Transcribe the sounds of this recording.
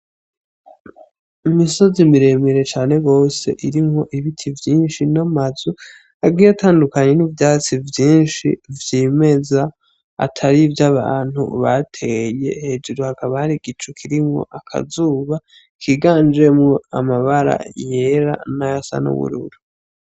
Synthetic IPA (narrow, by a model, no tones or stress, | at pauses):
imiso̞zimiɾe̞miɾe̞t͡ʃaːne̞ɡo̞ːse̞̰ʔiɾimŋo̞ʔiβitʰivjiːnʃinamazu | aɡɡiːatʰaːndukaɲe̞nivjaːt͡sivjiːnʃḭvjiːme̞za | a̰tʰaɾivjaβa̰ːn̥hṵβatʰe̞je̞̰he̞ːd͡ʒuɾuhakaβahaɾiɡit͡ʃukʰiɾimŋo̞̰ʔakʰa̰zuːβa | kʰiɡaːnd͡ʒe̞mŋo̞a̰maβaɾa̰je̞ɾa̰najasa̰nṵβṵɾṵɾu